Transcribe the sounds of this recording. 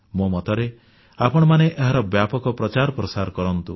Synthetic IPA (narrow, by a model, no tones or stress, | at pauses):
mumɔt̪ɔɾe | apɔɽ̃ɔmaneʔeɦaɾɔbjapɔkɔpɾɔt͡ʃaɾɔpɾɔsaɾkɔɾɔnt̪ṵ